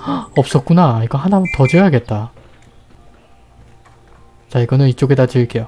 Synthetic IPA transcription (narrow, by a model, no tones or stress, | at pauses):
ʌp̚s͈ʌt̚k͈unaiɡʌɦanamɯtʌd͡ʑejaɡe̞t̚t͈a | t͡ɕaiɡʌnɯnit͡ɕ͈oɡedat͡ɕɯɭk͈ejo